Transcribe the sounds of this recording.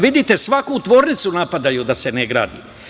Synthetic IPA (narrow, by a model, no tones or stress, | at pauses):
ʋid̪it̪e̞sʋakut̪ʋo̞ːɾnit̪sunapad̪ajud̪aseneɡɾa̰ːd̪ḭ